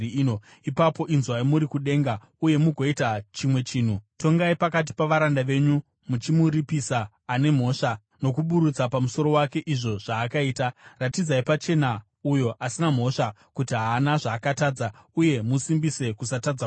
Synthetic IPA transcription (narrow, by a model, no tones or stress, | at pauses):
ino | ipapo̞ʔinzwaimuɾikuɗe̞ŋɡa | uje̞muɡʱo̞itat͡ʃimwe̞t͡ʃiːn̤uto̞ŋɡaipakat̬i̥paʋaɾandaʋe̞ɲu | mut͡ʃimuɾipisaː | ne̞m̤o̞ʂa | no̞kuɓuɾut͡sapamuso̞ɾo̞wake̞ʔiʐo̞ʐ̥aːkaiːtaratid͡zaipat͡ʃe̞na | ujo̞ʔasinam̤o̞ʂa | kutiɦaːnaʐaːkataːd͡zauje̞musimbise̞kusatad͡za